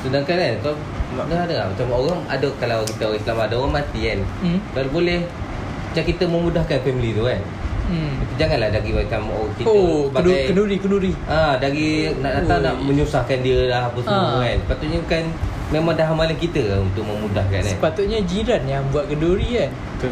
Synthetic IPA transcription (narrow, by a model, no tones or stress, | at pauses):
sunaŋkananka | maɡaadaamat͡ʃamoɣaŋa̰daʔkalawkist̪aoɣãislamadaamat̪iankalubolɛh | d͡ʒakit̪əməmudahkanfɛmlit̪ukan | at̪id͡ʒaŋanlahdaɡimat͡ʃamokiopakənuɾikənuɾiʔadaɡinaʔdat̪anaʔməɲusahkandiəlahapusaansəpat̪ʊt̪̚ɲabukan | memãŋdaɦamalakit̪əunt̪ʊʔ̚məmudahka̰nasnənpat̪ʊt̪̚ɲad͡ʒiɾanjaŋbuat̪̚ɡənduɾian